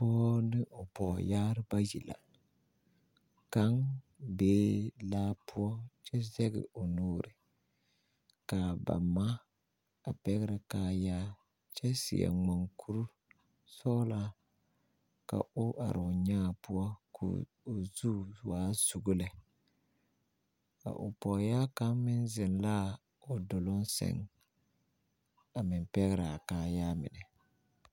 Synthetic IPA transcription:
pɔː˦nɨ˦ʔo˨pɔ˨jaː˦ɾɨ˦ba˦ji˨la̰˨ | ka˦ŋ | beː˦laː˦pʰʊ˦ɔ˦t͡ʃɛ˦zɛ˦ɡɪ̰˨o˨noː˦ɾɨ˨ | ka˨ba̰˨ma˦ | a˨pɛ˦ɣɪ˦ɾa˨kaː˨jaː˦ | t͡ʃɛ˦sḭ˨ɛ̰˨ŋ͡ma˨ŋkʰu˦ɾu˦ | sɔ˦la˦ | ka̰˨ʔʊ˦ʔa̰˨ɾʊ˨ɲaː˦˨pʊ˦ɔ˦kʰṵː˨ | zuː˦waː˨˦z̥u˨ɡʊ˦lɛ˨ | ka̰˨ʔʊ˨pɔ˨jaː˦ka˦mɪ˦nzɪ˨nla˦˨ | ʊ˨dʊ˨lʊ˦nsɛ̰˨ŋ | a˨mɪ˨mpɛ˦ɣɪ˦ɾɪ˨a˨kaː˦jaː˦mɪ̰˨nɪ˨

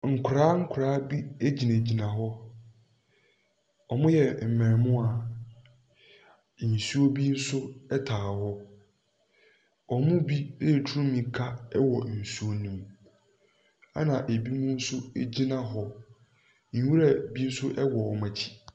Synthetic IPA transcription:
ŋ̩˨kʰʊ˨ɾaː˦ŋ̩˦kʰʊ˨ɾaː˦bi˦e˦d͡ʑi˨næ̃˨d͡ʑi˨nã˨ɦɔ˦ | ɔ˨mʊ̃˦jɛ˨m̩˨mɛ̃˨mʊ̃˦a˨ | n̩˨su˦o˦bi˦n̩˦sʊ˦ɛ˦tʰaː˨ɦɔ˦ | ɔ˨mʊ̃˦bi˦le˦˨tʰu˦ɾũ˦mĩ˨kʰa˦ɛ˦wɔ˨n̩˨su˦o˦nũ˦m | a̰˦nã˨ʔe˨bi˦mʊ̃˦n̩˦sʊ˦e˦d͡ʑi˦nã˦ɦɔ˨ | ɲ̩˨˦wu˦ɾa˦bi˦n̩˦sʊ˦ʔɛ˦wɔ˨ɔ˨mã˨t͡ɕʰi̥˨

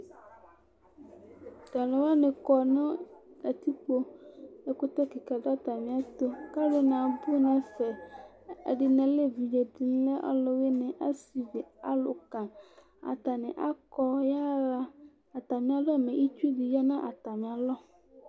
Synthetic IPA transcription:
da˨lʊ̃˨wa˦nɪ̃˨kɔ˨nʊ̃˦da˨t̪i˦k͡po˦ɛ˦kʊ˦t̪ɔ˦ki˨ka˨dɔ˦a˦t̪a˨mɪ̃˨a˦t̪o˦ka˦lo˦nã˨bu˦nã˦fɛ̰˨ | ɖɪ˨nɛ̃˨le˦vi˨d͡ʒe˨d̪i˨n˦lɛ˦ʔɔ̰˦lɔ˨we˦nɪ̃˨ʔa˦si˨vi˨a˦lʊ˨kã˨ | a̰˨t̪a˨nɪ̰̃˨ʔa˦kɔ˦ja˦ɾa˦ | a˨t̪a˨mɪ̃˨a˨lɔ˦˨mɛ̃˨ʔi˦t͡ʃu˦di˨jɔ˦nã˦ʔa˨t̪a˨mɪ̃˨a˨lɔ˦

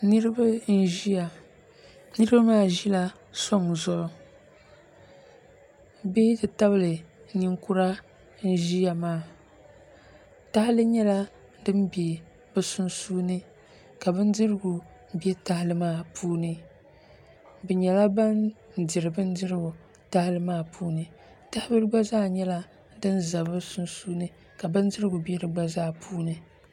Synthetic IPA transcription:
nɨ˦ɾɨ˦ba˦n̩˦ʒi˦a˨ | nɨ˦ɾɨ˦ba˦maː˦˨ʒi˦la˦ | sɔ˦ŋzɔ˦lo˦ | be˦dɨ˨ta˦bɨ˦˨lɨ˨˦ni˦ŋku˦ɾa˦ | n̩˦ʒi˦ja˨maː˦˨ | ta˦hɪ˦lɨ˦ɲɛ˦la˦ | dɨ˦m˦be˨ | bɛ˨sʊ˦nsuː˦nɨ˦ | ka˨bɨ˦n˦dɨ˦ɾɨ˦ɡʊ˨ | bɛ˦ta˦hɪ˦lɨ˦maː˦˨pʰuː˦nɨ˨ | bɛ˨ɲɛ˨la˦ba˦n̩˨ | dɪ˨ɾɨ˨bɨ˦n̩˦dɪ˦ɾɨ˦ɡʊ˨ | ta˦hɪ˦lɨ˦maː˦˨pʰuː˦nɨ˨ | ta˦hɪ˦bɨ˦ɾɨ˦ɡ͡ba˦zaː˦ɲɛ˦la˦ | dɨ˦nza˨bɨ˦sʊ˦nsuː˦nɨ˦ | ka˨bɨ˦n˦dɨ˦ɾɨ˦ɡʊ˨bɛ˦dɨ˨ɡ͡ba˦zaː˦pʰuː˦nɨ˨

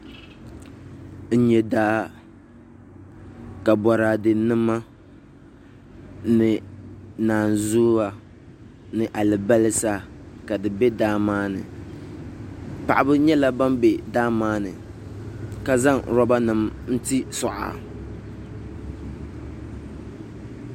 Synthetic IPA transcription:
n̩˦ɲɛ˨daː˦ | ka˨bɔ˨ɾaː˨dɨ˨nɨ˦mːa˦ | nɨ˨naː˨nzuː˦a˨ | nɨ˨ʔa˨lɨ˨ba˦lɨ˦saː˦˨ka˨dɨ˨bɛ˦daː˦maː˦nɨ̰˨ | pa̰˨ʔa˨bɨ˦ɲɛ˦la˦ba˦mbɛ˨daː˦maː˦nɨ̰˨ | ka˨za˦ŋɾɔ˦ba˦nɨ˨mn̩˦ti˦sʊ˨ʔa̰˨

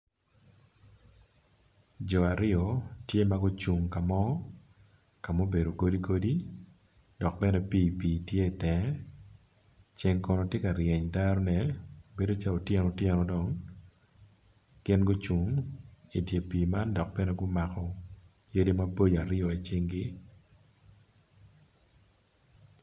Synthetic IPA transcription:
d͡ʒɔ˨a˨ɾɪ˦ɔ˨tje˦ma˦ɡo˦t͡ʃu˨ŋka˨mɔ˦ | ka˨mo˦be˨do˨ɡo˦di˦ɡo˦di˦ | dɔ˨k̚pɛ˦nɛ˦piː˦piː˨tje˦i˨tɛ˨ | t͡ʃɪ˨ŋkɔ˨nɔ˨tje˦ka˨ɾjɛ˨ɲda˦ɾɔ˦nɛ˨be˦do˦t͡ʃa˦o˨tjɛ˦nɔ˨tjɛ˦nɔ˦dɔ˨ŋ | ɡ̥ɪ˦nɡo˦t͡ʃu˨ŋi˨dje˨piː˨ma˦ndɔ˨k̚bɛ˦nɛ˦ɡʊ˦ma˨kɔ˨ | je˦di˦ma˦bo˦ja˨ɾɪjɔ˨e˨t͡ʃɪ˦ŋɡɪ˦

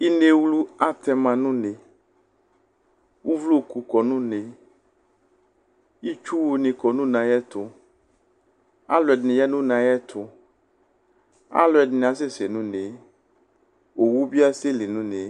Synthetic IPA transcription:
i˦ne˦wlu˦a˦t̪ɛ˦mã˨nũ˦ne˨ | wu˦vlo˦˨ku˨kɔ˨nũ˦nẽ˨ | i˦t͡ʃu˦wu˨nĩ˨kɔ˨nũ˦nã˨jɛ˦t̪ʊ˨ | a̰˦lɔ˨ɛ˨dnɪ̃˨jɛ˦nũ˦nã˨jɛ˦t̪ʰʊ˨ | a̰˦lɔ˨ɛ˨ɖɪ˨ñ˨a˨s̬e˦se˨nũ˦nẽ˨ | wo˨wu˦bi˦a˦se˦le˨nũ˦ne˨

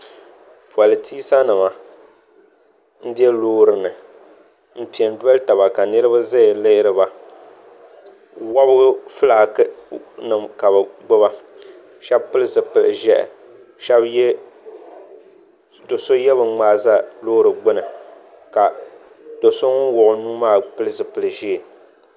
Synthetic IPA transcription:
pu˨a˨lɨ˨tʰi˦sa˦nɨ˨ma˨ | n̩˦di˦ɛ˦loː˦ɾɨ˨nɨ˨ | m̩˦pi˨ɛ˨n˦da˦lɨ˦ta˨βa˨ka˨nɨ˦ɾɨ˦ba˦za˦˨lɨ˦ʔɪ˦ɾɨ˦ba˨ | wa˦bɣɨ˦fɨ˦la˨knɨ˨mka˨bɨ˨ɡ͡bʊ˦ba˦ | ʃɛ˦bpɨ˦lɨ˦zɨ˨pɨ˨lɨ̰˨ʒɛ˦ʔ | ʃɛ˦bj | do˨so˦jɛ˦bɨ˨ŋ͡maː˨˦˨za˦loː˦ɾɨ˨ɡ͡bʊ˦nɨ˨ | ka˨ | d̥o˨so˦ŋ˦wʊ˨ʔʊ˨nuː˦maː˦pɨ˦lɨ˦zɨ˨pɨ˨lɨ˨ʒi˦˨

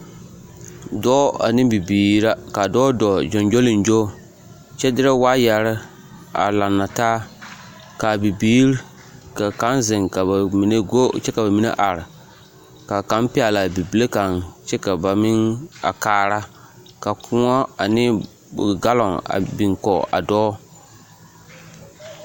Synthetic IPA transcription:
dɔː˦a̰˨nɪ˦bi˨biː˨ɾa˦ka˨dɔ˦dɔ˨d͡ʒɔ˨nd͡ʒo˦lɪ˨nd͡ʒo˦ | t͡ʃɛ˦dɪ˦ɾɛ˦waː˦ja˨ɾɪ˦ | a̰˨la˨nːa˨taː˦ | ka˨bi˨biː˦ɾ | ka˨ka˨˦nzɪ˨ŋka˨ba˨mi˨ne˦ɡo˦t͡ʃɛ˦ka˨ba˨mi˦nḛ˦ʔa˨ɾɪ˨ | ka˨ka˦npi˦a˨la˨bi˨bi˨le˦ka˨nt͡ʃɛ˦ka˨ba˨mɪ˦ŋa̰˨kaː˨˦˨ɾa˦ | ka˨kʰʊ˦ŋɔ˦a˨nɪ˦˨ | ɡa˦lɔ˨ŋa̰˨bi˨ŋkɔ˨ʔa̰˨dɔː˦

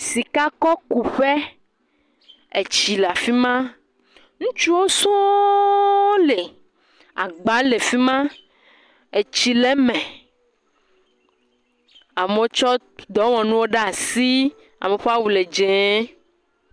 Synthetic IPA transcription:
si˨ka˦kɔ˦ku˨ɸe˦ | e˨t͡ʃi˨le˨a˨fi˦mã˦ | ŋũ˦t͡ʃu˦wo˦sũ˦ | le˨ | a̰˨ɡ͡ba˨˦le˨fi˦mã˦ | e˨t͡ɕi˨le˦mɛ̃˨ | a˨m˨o˦t͡ʃɔ˦ | d̪ɔ˨˦wɔ̃˨nũ˦wo˦ɖa˦a˨si˦ | a̰˨mẽ˨ɸa˦wu˨le˨d͡ʒɛ˨˦

